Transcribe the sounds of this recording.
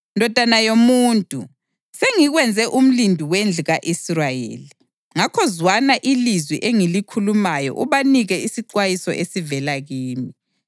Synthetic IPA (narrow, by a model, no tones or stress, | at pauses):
ndʱɔd̥ʱanajomuːntʼu | seŋiɣwɛnd͡zʱɛʔum̩lindʱuwend͡ɮʱuɣaʔisrajḛːli | ŋakʰɔzwanaʔilizwiʔeŋilikʰulumajɔ̰ʔuβaniɣɛisiǃwajisɔ̰ʔesivɛlaɣiːmi